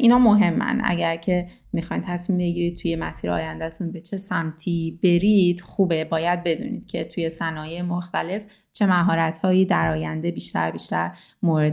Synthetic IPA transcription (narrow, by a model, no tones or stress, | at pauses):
ʔiːnɒːmo̞ɦe̞mːæ̰nʔæ̰ɟæɾcʰe̞ | mixɒjnt̪ʰæsmiːmbe̞ɟiːɾid̪̥̚t̪ʰuje̞mæsiːɾɒ̰ːjænd̪æt̪ʰunbe̞t͡ʃʰe̞sæmt̪ʰiːbe̞ɾid̪̥xuːbe̞bɒːjæd̪̚be̞d̪ṵːnḭːd̪̥cʰe̞t̪ʰuje̞sænɒːjejemoxt̪æle̞f | t͡ʃʰe̞mæɦɒːɾæt̪hɒːjiːd̪æɾɒːjænd̪e̞biːʃt̪æ̰ɾbiːʃt̪æɾ | moɾe